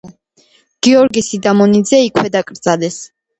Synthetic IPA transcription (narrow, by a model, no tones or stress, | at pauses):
ɡ̥iɔɾɡisid̪amɔnid̪zɛikʰwɛd̪akʼɾd̪zalɛs